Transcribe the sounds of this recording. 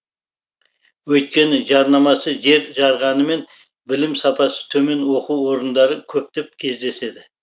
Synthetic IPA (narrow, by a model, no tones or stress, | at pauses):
wɵjt̪̚kʲe̞nɪʒɑɾnɑmɑsəʒe̞ɾʒɑɾʁɑnəme̞n | bɪlɪmsɑpɑsə̥t̪ʰɵme̞nwo̞quwwo̞ɾənd̪ɑɾəkʲʰɵp̚t̪ep̚kʲʰe̞zd̪e̞se̞d̪ɪ